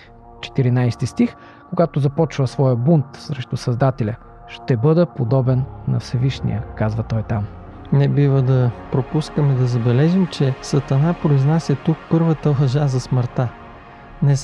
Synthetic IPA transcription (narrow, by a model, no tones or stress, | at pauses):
t͡ʃɛ̥t̪iɾinajst̪ist̪ix | koɡat̪ʊzɐpɔt͡ʃvəsvɔjəbunt̪sɾɛʃt̪ʊsɐzd̪at̪ɛlʲə | ʃt̪ɛbɤd̪əpod̪ɔbɛnːɐ̰fsɛviʃnḭjəkazvɐt̪ɔjt̪am | nɛbivəd̪ɐpɾopuskəmɛd̪ɐzɐbɛlɛʒimt͡ʃɛsɐt̪ɐnapɾoiznasʲɐt̪uk̚pɤɾvət̪əlˠɐʒazɐsməɾt̪a | nɛ